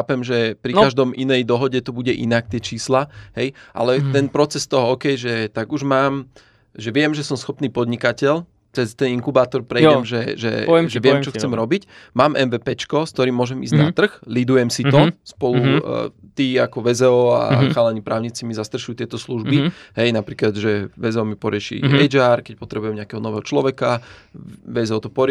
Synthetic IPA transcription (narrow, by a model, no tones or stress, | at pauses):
aːpɛmʒɛpɾikaʒd̪ɔmʔinɛjd̪ɔɦɔɟɛt̪ɔbuɟɛʔḭnak̚t̪ɪɛt͡ʃiːslaɦɛjʔa̰lɛt̪ɛnpɾɔt͡sɛst̪ɔɦɔɔːkɛjʒɛt̪aɡuʒmaːm | ʒɛʋɪɛmʒɛsɔmsxɔpniːpɔd̪ɲikacɛl | t͡sɛst̪ɛniŋkubaːt̪ɔɾpɾɛjɛmʒɛʒɛ̰ʒɛʋɪɛmt͡ʃɔxt͡sɛmɾɔbicmaːmʔɛnʋɛːpɛt͡ʃkɔsk̚t̪ɔɾiːmːʊɔʒɛmḭːzɟnat̪r̩xlid̪ujɛmsit̪ɔspɔlut̪iːakɔʋɛzɛɔa̰xaːlɛɲipɾʔaːʊɲiːt͡simizast̪r̩ʃujut̪ɪɛt̪ɔsluʒbiɦɛjnapɾiːklad̪ʒɛʋɛzɛɔmipɔɾɪɛʃḭɛd͡ʒaɾkɛc̚pɔt̪ɾɛbujɛmɲɪakɛɦɔnɔʋɛːɦɔt͡ʃlɔʋɛka | ʋɛzɛɔt̪ɔpɔɾ